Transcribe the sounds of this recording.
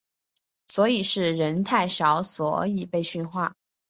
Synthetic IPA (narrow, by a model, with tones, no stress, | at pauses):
swɔ˧˥i˨˩ʂɻ̩˥˩ɻə˧˥nt̪ʰa˥˩ɪʂɑ˧˥ʊswɔ̰˨˥i˨˩pe˥˧ɪɕy˥˧nxwa̰˥˩